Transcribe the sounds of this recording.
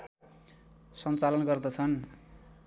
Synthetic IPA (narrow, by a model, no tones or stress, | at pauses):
sʌnt͡salʌnɡʌrd̪ʌt͡sʰʌn